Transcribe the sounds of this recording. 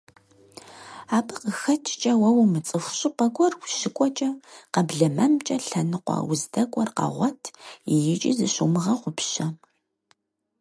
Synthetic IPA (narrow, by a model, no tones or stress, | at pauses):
aːbɨqəxɐt͡ʃʰʼt͡ʃʼɐwɐwmɨt͡sʼɨxʷɕʼɨpɐkʷʼɔrwʷʃɪkʷʼɔt͡ʃʼɐqɐbɮɐmɐmt͡ʃʼɐɬɐnɨqʷɑ̰wʊzdɐkʷʼɔrqɐ̰ʁʷɔtʰijɪt͡ʃʼḭzɨɕumɨʁɐqʷʊpɕɐ